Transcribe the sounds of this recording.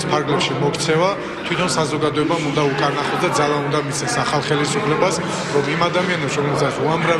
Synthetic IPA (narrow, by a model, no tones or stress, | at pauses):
spʰaɾɡlɛpʃimɔkʰt̪sʰɛva | t̪ʰwit̪ʰɔnsazɔɡad̪ɔɛbamund̪aukʼaɾnaχlɔd̪ad̪zalˠaund̪amit̪sʰɛsaχalˠχɛlisupʰlɛbas | ɾɔmimad̪amianɛpsɾɔmɛlsat̪sʰuamɾa